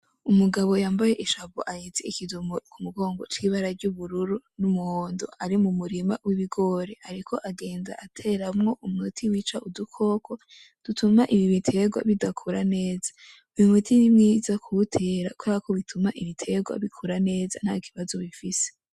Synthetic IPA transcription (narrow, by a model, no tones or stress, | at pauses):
umuɡaβo̞jaːmbaje̞ʔiʃaβoʔajet͡seikidumokumuɡo̞ːŋɡo̞t͡ʃiβaɾaɾɟuβuɾuɾunumuhoːndṵaɾimumuɾimawiβiɡo̞ɾeaɾikʰo̞ʔaɡe̞ːnza̰ʔatʰe̞ːɾamŋo̞ʔumutʰiwiːt͡ʃaʔudukʰo̞ːkʰo | d̥utʰumaʔiβiβitʰe̞ɡwa̰βidakʰuɾane̞ːzḁ | βumutʰinimŋiːzakʰuutʰe̞ːɾakoaako̞βitʰumaʔiβitʰe̞ɡwa̰βikʰuɾane̞ːza̰n̥haːki̥βazo̞βifise̥